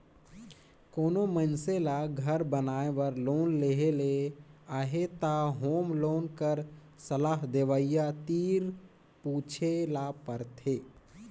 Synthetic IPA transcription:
koːnomənselaɡʱəɾbənaːeʋəɾloːnleɦeleaːɦet̪aɦoːmloːnkəɾ | səlaːɦd̪eʋəijat̪iːɾ | puːt͡ʃʰelapəɾt̪ʰeː

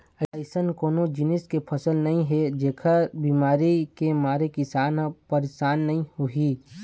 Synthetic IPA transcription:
əɪsənkoːnod͡ʒɪnɪskepʰəsəlnɐɦĩɦɛd͡ʒeːkʰəbiːmaːɾikemaːɾekɪsaːnɦãpəɾeʃaːnːɐɦĩhuɦi

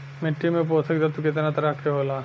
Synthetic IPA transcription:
meʈːimẽp̬oːt̪ʰəkd̪at̪ukɪt̪nat̪ɐɾakʰeɦoːlaː

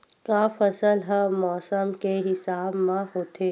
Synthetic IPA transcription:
kaːfɐsəlɦəmɔːsəmkeɦɪsaːbmãɦoːt̪ʰeː

